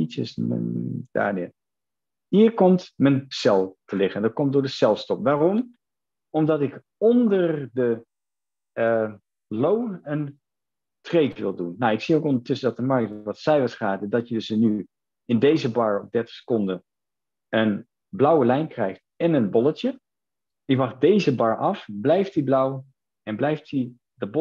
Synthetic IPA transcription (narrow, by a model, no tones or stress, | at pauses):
itsə̰sd̥a̰ːɹnɪ̰ | ɦiːɹkɔmtmənsɛlˠtəlɪχəndɑt̚kɔmt̚dʊːɹdəsɛlˠstɔpʋaːrɔm | ɔmdɑtɪk | ɔndərdə | lownən | trejtʋɪlˠdunːawɪksiowkondətɵsədɑtəmɑɹktʋɑtsɛjʋəsχaːdədɑtjədəsny | ɪndejzəbɑɹɔp̚dɛɹtə̥χsə̥kɔndə | ən | blʌwəlɛjnkrɛjχtɛnənbɔlˠətjə | ɪʋɑχ̚dejzəbɑɹʔɑfblɛjftiblʌw | ɛnblɛjfti | dəb